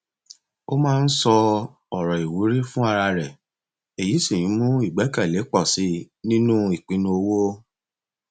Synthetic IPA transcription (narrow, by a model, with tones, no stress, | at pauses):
o˦mãː˦˧n̩˦sɔ˧ | ɔ˨ɾɔ˨i˨wu˨˦ɾi˦fũ˦a˧ɾa˧ɾɛ˨ | e˨ji˨˦sĩ˦˨j̃ĩ˨˦mũ˦i˦˨ɡ͡bɛ˨˦kɛ˦˨le˨˦k͡pɔ˦˨si˨˦ | nĩ˦nũ˦i˨k͡pĩ˧nũ˧o˧wo˦